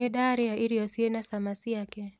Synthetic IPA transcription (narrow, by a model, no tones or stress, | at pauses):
ɛɗaɾiaiɾiɔsiɛnasamasijakɛ